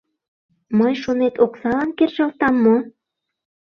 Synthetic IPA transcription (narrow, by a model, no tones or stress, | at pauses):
məjʃonet̪oksɑlɑnkerʒɑlt̪ɑmːo